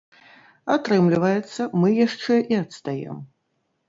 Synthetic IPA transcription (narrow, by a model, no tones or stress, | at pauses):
at̪ɾɨmlʲivɐjɛt̪sːɐmɨjaʂt͡ʂɛʔiɐt̪st̪ajɛ̰m